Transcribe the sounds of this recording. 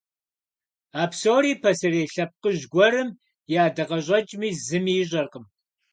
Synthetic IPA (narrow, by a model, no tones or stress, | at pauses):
aːpʰsoːɾiːpʰɐsɨreːɬɐp̚qəʒɡʷɔɾɨm | jaːdɐʁɐɕʼɐt͡ʃʼmiːzɨmiɕʼɐrqəm